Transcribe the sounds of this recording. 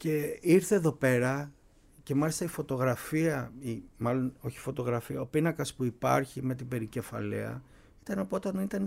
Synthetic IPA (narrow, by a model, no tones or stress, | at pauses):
ce̞iɾθe̞ːðo̞pe̞ɾɐ | ce̞mɐlist̪ɐifo̞t̪o̞ɣɾɐfiɐimɐlo̞no̞çi̥fo̞t̪o̞ɣɾɐfiɐopinɐkɐspuipɐ̰ɾçime̞t̪̬ibe̞ɾice̞fɐ̰lḭɐ̰ | i̥t̪ɐnɐpot̪ɐnit̪ɐn